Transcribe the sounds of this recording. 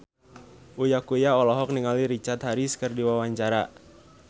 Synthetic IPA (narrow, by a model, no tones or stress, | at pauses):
ʔujakujaɔlɔɦɔk̚niŋaliɾit͡ʃat̪haɾiskərdiwawaɲt͡ʃaɾa